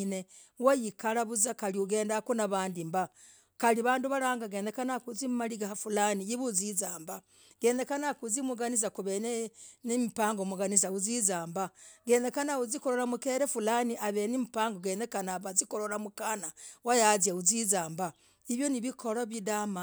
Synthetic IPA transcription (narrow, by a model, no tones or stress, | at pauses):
ne | wajikalaβuzakaliuɡe̞ːndakunaβaːndimba | kaliβaːnduβalaːŋɡaɡeːnekanakuzimmaliɡahafulanijiβuzizaːmba | ɡ̥eːnekanakuzimuɡaniz̬akuβenenimipaːŋɡomuɡanizauzizaːmbaɡe̞ːnekanauzikoɾoɾamukeɾefulaniʔaβenimipaːŋɡoɡeːnekanaβazikoɾoɾamukanawajazjauzizaːmba | iβjo̞niβiko̞laβidama